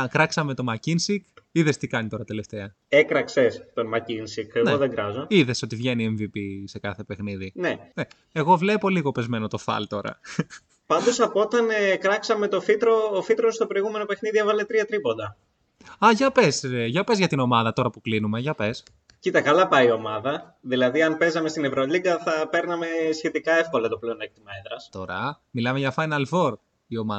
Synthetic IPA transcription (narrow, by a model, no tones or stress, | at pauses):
kɾɐksɐme̞t̪o̞mɐcinsikiðe̞st̪ikɐnit̪o̞ɾɐt̪e̞le̞ft̪e̞ɐ | ekɾɐksest̪onmɐcinsikeɣnoðeŋɡɾɐzo̞iðe̞so̞t̪ivʝe̞nieɱvipise̞kɐθe̞pe̞xniðinene | eɣo̞vle̞po̞liɣo̞pe̞zme̞no̞t̪o̞fɐ̰lt̪o̞ɾɐ̰ | pɐnd̪o̞sɐpot̪ɐnekɾɐksɐme̞t̪o̞fit̪ɾoːfit̪ɾo̞st̪o̞pɾo̞iɣume̞no̞pe̞xniðievɐle̞t̪ɾiɐt̪ɾipo̞nd̪ɐ | ɐʝɐpe̞sʝɐpe̞zʝɐt̪ino̞mɐðɐt̪o̞ɾɐpuklinume̞ʝɐpe̞s | cit̪ɐkɐlɐpɐio̞mɐðɐ | ðilɐðiɐnpe̞zɐmest̪inevɾoliɡɐθɐpe̞ɾnɐme̞sçe̞t̪ikɐe̞fko̞lɐt̪o̞ple̞onek̚t̪imɐeðɾɐst̪o̞ɾɐ | milɐme̞ʝɐfɐjnɐlfo̞ɾ | io̞mɐ